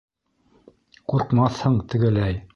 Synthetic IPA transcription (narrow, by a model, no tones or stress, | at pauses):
quɾqmɑθhɤɴt̪ɘ̆ɡɘ̆læj